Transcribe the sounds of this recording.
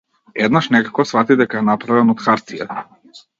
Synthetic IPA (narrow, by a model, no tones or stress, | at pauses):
ɛd̪naʃnɛkḁkɔsfat̪id̪ɛkaɛnapɾavɛnɔt̪xaɾt̪sija̰t̪a